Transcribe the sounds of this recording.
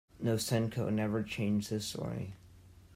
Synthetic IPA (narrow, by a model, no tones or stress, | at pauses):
noʊsɛ̃nkʰoʊnɛvə˞t͡ʃʰẽɪ̃nd͡ʒðɪswḛɪ